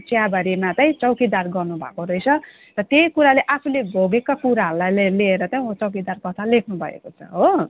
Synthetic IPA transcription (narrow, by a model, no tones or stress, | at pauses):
t͡sjabʱʌɾimat͡sʌj̃t͡sʌwkid̪arɡʌrnubʱʌ̰koɾʌjt͡sʰʌ | rʌt̪ejkuɾaleʔapʰulebʱoɡekakuɾaɦʌɾulajlelieɾʌt͡saj̃ot͡sʌwkid̪arkʌt̪ʰalekʰnubʱʌ̰ḛkot͡sʰʌ̰ɦo